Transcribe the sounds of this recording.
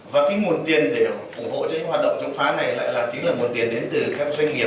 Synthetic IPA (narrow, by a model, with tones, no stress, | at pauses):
vaː˨˩kaː˨˦jŋo˨˩nt̪i˨˩ənɗe˧˩ʔʊ˧˩ŋ͡mho̰˧˨t͡ɕɔ˨˧˦ɲɨ̰˧˥ŋhwaː˨˩t̚ɗə̰˧˨ŋ͡mt͡ɕɔ˨˦ŋ͡mfaː˨˦na˨˩jla̰ː˧˨jlaː˨˩t͡ɕi˨˦ŋlaː˨˩ŋ˨˩t̪̚i˨˩ənɗe˨˦nt̪ɨ˨˩kaː˦˥k̚za˧˦ŋŋḭ˨˩ə˩